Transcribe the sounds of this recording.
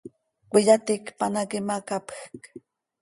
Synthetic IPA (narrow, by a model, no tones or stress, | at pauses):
kʷijat̪ikpanakimakapxk